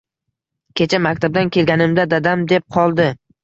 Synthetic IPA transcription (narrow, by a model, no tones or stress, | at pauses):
kʲʰe̞t͡ʃʰamakʲt̪ʰab̚d̪ankʲʰe̞lɡʲanɪmd̪ad̪ad̪amd̪e̞p̚qʰɒlˠd̪ɪ